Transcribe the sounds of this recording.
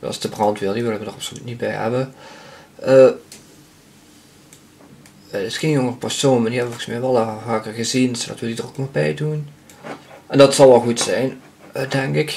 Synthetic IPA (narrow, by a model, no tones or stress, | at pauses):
sdəbrɑntʋɪlˠdiʋɪlˠənʋədərɑpsolytnit̚bɛjhɛ̰bə | ʔə | ɪsxeːnjoŋərəpɛrsoːnɛndihɛbəoɣɪ̥smɛjʋɛlˠavaːkərɣəzinsdɔ̰tʋəlˠdidəroknobɛjdun | ʔɛndɑtsɑlˠʋɛlˠɣutsɛjn | dɛŋkɪk